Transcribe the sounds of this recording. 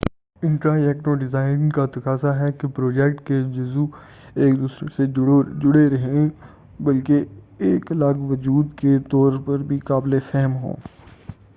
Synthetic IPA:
ɪ̃ɳʈɾajɛːkʈoɖɪzaːɪnɪ̃ŋkat̪ɐkaːsaɦɛkepɾoːd͡ʒɛkʈked͡ʒʊzu | eːkd̪uːsɾeseɽd͡ʒʊɽeɾɐɦẽ | bɐlkeː | klaɡʋəd͡ʒuːd̪ket̪ɔːɾpɐɾbʱikaːblefɛɦəmɦõ̰ː

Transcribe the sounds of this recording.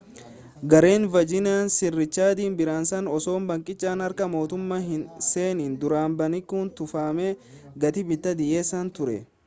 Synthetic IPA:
ɡɐɾe̞ːnvɐd͡ʒɪnaːnsɪrːɪt͡ʃːaːd̪iːnbɪɾaːnsɐnɔso̞ːmbɐŋkʼɪt͡ʃʼːaːnɐɾkɐmo̞ːt̪ʊmːaːɦɪnse̞ːniːnd̪ʊɾaːmbɐnɪkːuːnt̪ʊfaːmeːɡɐt̪ɪbɪt̪ːɐd̪ɪʔeːsɐnt̪ʊɾɛ̰

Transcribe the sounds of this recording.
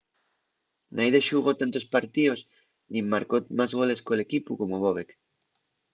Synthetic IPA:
nʔajðeʃuɣot̪ant̪ospaɾt̪ios | nĩmːaɾkot̪mazɣoleskoelekipukomoβoβek

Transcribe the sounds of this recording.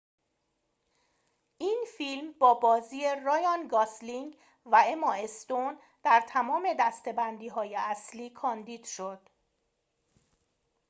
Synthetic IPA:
ʔiːnfilmbɒːbɒːziːerojɒnɡɒsliŋɡ | væemɒest̪on | d̪̥æɾt̪ʰæmɒːme̞d̪æst̪e̞bænd̪iːɦɒːje̞æsliːkʰɒːnd̪iːd̪̥ʃod̪̥

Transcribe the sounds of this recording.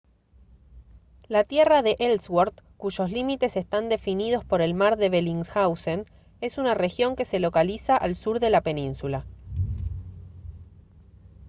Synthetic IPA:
lat̪je̞raðe̞ʔelswoɾðkuʒo̞slimit̪e̞sest̪and̪e̞finið̞o̞spo̞ɾe̞lmaɾðe̞βeliŋsxawsen | e̞sunare̞xjo̞ŋke̞se̞lo̞kalisaʔalsuɾðe̞lape̞nĩnsula

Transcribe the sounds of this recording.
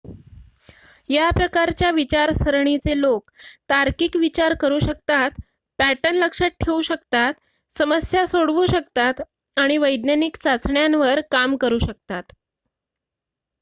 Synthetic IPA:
japɾəkaɾt͡ɕjaʋit͡ɕaɾsəɾɳit͡selokt̪aɾkiːkʋit͡ɕaɾkəɾuːɕək̚t̪at̪ | pæʈənləkʂat̚ʈʰeuɕəkt̪at̪ | səməsjasoɽʋuːɕəkt̪at̪ | aɽ̃iʋəjd̪nanikt͡sat͡sɳjanʋəɾkamkəɾuːɕək̚t̪at̪

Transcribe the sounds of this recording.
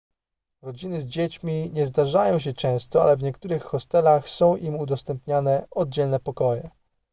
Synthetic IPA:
ɾɔd͡ʑinɘzd͡ʑet͡ɕmʲiɲɛzd̪aʐajɔ̃w̃ɕ̬ɛt͡ʂɛ̃w̃st̪ɔa̰lɛvɲɛkt̪uɾɘxːɔst̪ɛlaxsɔ̃w̃ʔimud̪ɔst̪ɛmpɲanɛɔd̪̚d͡ʑɛlnɛpɔkɔjɛ

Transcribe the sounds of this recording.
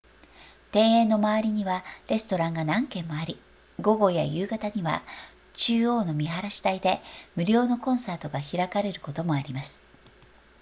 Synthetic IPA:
t̪ẽ̞ɰ̃ẽ̞nːo̞maβaɾʲiɲ̟iβaɾe̞sɨ̥t̪o̞ɾãŋɡanãŋkẽ̞mːo̞aɾʲi | ɡo̞ɡo̞ja̰jɯːɡat̪aɲ̟iβa̰ | t͡ɕɨːo̞ːno̞mʲiɦaɾaɕi̥t̪aid̪e̞mɯ̟ɾʲo̞ːno̞kõ̞ɰ̃saːt̪o̞ɡaçiɾakaɾe̞ɾɯ̟ko̞t̪o̞mo̞aɾʲimasɨ̥

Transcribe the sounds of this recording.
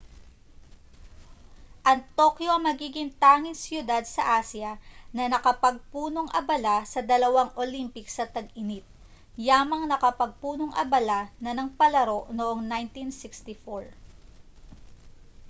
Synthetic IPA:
ʔɐnt̪o̞kjoʔɐŋmɐɡiːɡɪŋt̪aːŋɪnsjʊd̪ad̪̚sɐʔaːsjɐnɐnɐkɐpɐɡ̚puːno̞ŋʔɐ̰bɐlasɐd̪ɐlɐwaŋʔolimpɪksɐt̪ɐɡɪnit̪̚ | jaːmɐŋnɐkɐpɐɡ̚puːnoŋʔɐ̰bɐlanɐnɐŋpɐlɐɾo̞ʔnoʔoŋnajnt̪insɪkst̪ɪfoɹ

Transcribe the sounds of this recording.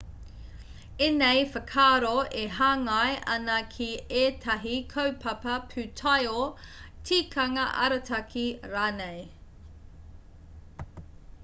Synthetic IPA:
enejfəkʰaːɾoeɦaːŋɐjʔɐnɐkʰieːtʰɐɦikʰɐwpʰɐpɐpʰʉtʰɐjotʰiːkʰɐŋɐʔɐ̰ɾɐtʰɐkʰiɾaːnej

